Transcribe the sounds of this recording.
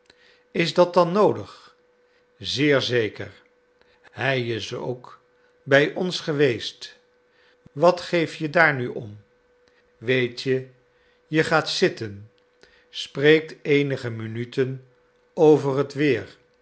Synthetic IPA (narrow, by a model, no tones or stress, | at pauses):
ɪzdɑt̚dɑnowdəχ | zɪːɹzejkə̰ɹ | ɦɛjɪso̰wk | bɛjʔɔnsχəʋejst | ʋɑtχejfjədaːɹnyʔɔm | ʋejtjə | jəχaːtsɪtən | sprejk̚tejnəχəminytən | owvərətʋɪːɹ